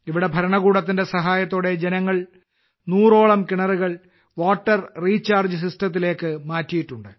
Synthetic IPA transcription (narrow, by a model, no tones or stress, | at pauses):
iʋiɽe̞bʱɐɾɐɳɐɣuːɽɐt̪̬ːinde̞sɐɦaːjɐt̪ːoːɽe̞d͡ʑenɐŋːɐɭ | nuːro̞ːɭɐmkiɳɐruɣɐɭ | ʋoːʈːɐrriːt͡ɕːaːrd͡ʑɨsistɐt̪̬ːile̞ːkːɨmaːtːijiʈːuɳɖɨ